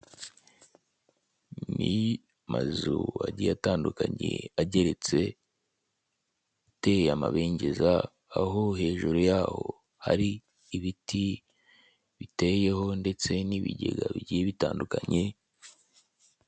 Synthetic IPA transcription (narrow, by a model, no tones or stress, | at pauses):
ni | mazuaɟijataːndukaɲe̞̰aɟe̞ɾe̞t͡se̞ | ɡute̞jamaβe̞ːɲɟe̞zaː | ɦo̞he̞ːʒuɾujaːho̞ | ha̰ɾiː | βiti | βite̞je̞ɦo̞nde̞t͡se̞niβḭɟeɡaβiɟijeβitaːndukaɲe̞